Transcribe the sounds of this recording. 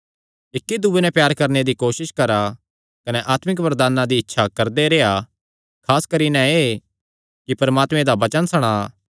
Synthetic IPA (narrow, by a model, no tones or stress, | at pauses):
ɪkːid̪ubenɛ̃pjaːɾkɐɾned̪ikoːʃɪʃkɐɾa | kɐnɛʔaːt̪mɪkʋɐɾd̪aːnːãd̪iɪtːʃʰakɐɾd̪eɾeːa | kʰaːskɐɾinɛ̃e | kipɐɾmaːt̪mẽd̪abɐt͡ʃənsɐɽ̃aː